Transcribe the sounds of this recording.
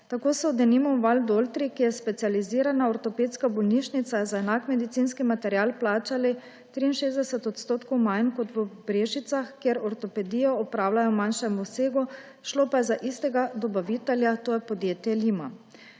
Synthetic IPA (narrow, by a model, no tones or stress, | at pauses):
t̪akoːsɔwd̪ɛnimɔʋald̪olt̪ɾikijɛspɛt̪sializiːɾanaɔɾt̪ɔpeːt̪skabɔlniʃnit̪saɛzaɛnakmɛd̪it̪sinskimat̪ɛɾjaːlplaːt͡ʃali | t̪ɾiːnʃeːzd̪ɛsɛt̪ɔt̪st̪oːt̪kowmajnkɔt̪ʋəbɾeːʒit̪saxkjeɾɔɾt̪ɔpɛd̪iːjɔɔpɾaːwlajɔmanʃɛmuseːɡu | ʃloːpajɛzaʔist̪ɛɡad̪ɔbaʋit̪ɛljat̪oːjɛpɔd̪jeːt̪jɛliːma